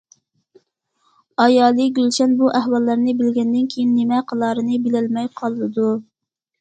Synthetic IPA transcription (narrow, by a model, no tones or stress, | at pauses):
ɑjɑːlˠɨɡʲylʃɛnbuʔæhwɑlˠːəɾnɨbɪlɡʲɛnd̪ɪnkʲʰejinːɪmɛqʰəlˠɑːɾɨnɨbɪlɛlmɛjqʰɑlˠːɨd̪u